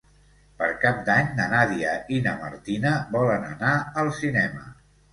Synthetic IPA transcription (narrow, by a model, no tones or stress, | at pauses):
pəɾkap̚d̪aɲnənaðiəinəməɾt̪inəbɔlənə̰naəlˠsinɛmə̰